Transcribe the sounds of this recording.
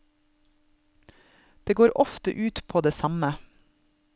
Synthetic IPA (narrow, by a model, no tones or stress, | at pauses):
d̪̥eːɡoːɾʔɔft̪ə̰ʔʉːt̪pʰoːd̪eːsɑmə